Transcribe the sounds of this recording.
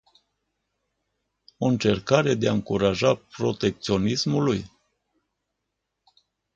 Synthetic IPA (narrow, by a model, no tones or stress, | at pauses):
o̞ɨnt͡ʃe̞rkaɾe̞d̪eaɨŋkuɾaʒapɾo̞t̪e̞k̚t̪sio̞nismuluj